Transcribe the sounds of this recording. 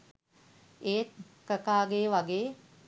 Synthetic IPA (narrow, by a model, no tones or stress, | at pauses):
eːt̪̚ | kəkaːɡeːʋaɡeː